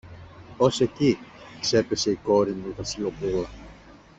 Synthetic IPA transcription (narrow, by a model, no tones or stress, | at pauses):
ose̞cikse̞pe̞se̞iko̞ɾinuvɐsilopulɐ